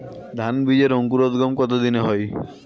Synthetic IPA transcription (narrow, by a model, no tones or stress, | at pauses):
d̪ʱanbid͡ʒeɾoŋkuɾɔt̪ɡɔmkɔt̪od̪ineɦɔj